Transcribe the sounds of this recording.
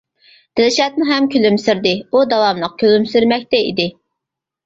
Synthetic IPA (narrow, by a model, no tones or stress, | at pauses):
d̪̥ɪlɪʃɛt̪̚muɦɛmkʲʰølymsyɾd̪ɪud̪ɑwɑmləq̚kʲʰølymsyɾmɛk̚ʲt̪ɛḭd̪ɪ